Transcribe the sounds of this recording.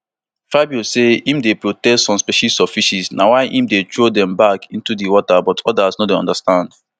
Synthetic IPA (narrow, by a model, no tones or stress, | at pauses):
fabjɔsehĩmdepɹotɛstsɔ̃mspiʃisɔfiʃisnawaɪʔĩmdetɹodɛ̃mbakʰĩntudiwɔtabɔtʰɔdasnɔdeɔ̰̃ndastãnd